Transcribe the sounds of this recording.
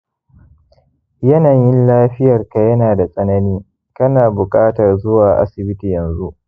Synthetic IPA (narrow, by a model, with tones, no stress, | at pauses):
jɐ˦nɐ˨ɲjɪ˦nlaː˦ɸɪ˦jɐ˨rka˨jɐ˦naː˨da˨sʼɐ˦nɐ˦niː˦ | kɐ˦naː˨bʊ˨kʼaː˦tɐ˨rzʊ˦waː˨ʔa̰˦sɪ˨bɪ˦tiː˨jɐ˨nzu˦ʔ